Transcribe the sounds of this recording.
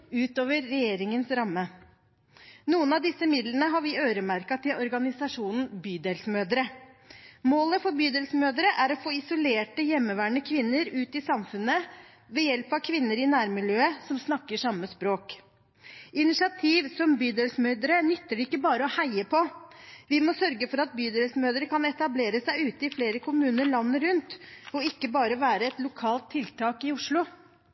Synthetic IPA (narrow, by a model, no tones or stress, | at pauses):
ʉːt̪oːʋəɾːɛjeːɾɪŋənsɾɑmːə | nuːənɑʋd̪ɪsːəmɪd̪lənəɦɑɾʋɪøːɾəmæɾkɑt̪ʰɪlɔɾɡɑnɪsɑʂuːnn̩byːd̪ɛlsmøːd̪əɾə | moːləfɔɾbyːd̪ɛlsmøːd̪əɾəʔæɾɔfoːɪsʊleːʈəjɛmːəʋæːɳəkʰʋɪnːəɾʉːt̪ɪsɑmfʉnːə | ʋɛjɛlpɑʋkʰʋɪnːəɾɪnæːɾmɪljøːəsɔmsnɑkːəʂɑmːəspɾoːk | ɪnɪʂɪɑt̪ʰiːʋsɔmbyːd̪əlsəmœːd̪əɾənʏt̪ːəɖɪɪkːəbɑːɾəɔhæɪəpʰɔʋɪmɔsœɾɡəfɔɾɑt̪̚byːd̪əlsəmøːd̪əɾkɑnɛt̪ɑbleːɾəsæɪʉːt̪əɪfleːɾəkʰʊmʉːnəɾɭɑnːəɾʉnt̪ɔɪkːəbɑːɾəɔʋæːɾəɛt̪lʊkʰɑːlt̪ʰːɪlt̪ʰɑːkɪʊʂɭʊ